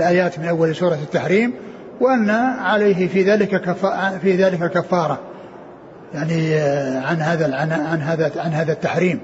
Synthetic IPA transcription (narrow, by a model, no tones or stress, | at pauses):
lʔaːjaːt̪mɪnʔawːalsuːɾˤɑt̪ːaħɾiːm | wʔanːaʕaleːɦɪfiðaːlɪkakaffiðaːlɪkakafːɑːɾˤɑ | jaʕniʕanhaːðaʕanaʕanɦaːðaʕanɦaːðat̪ːaħɾiːm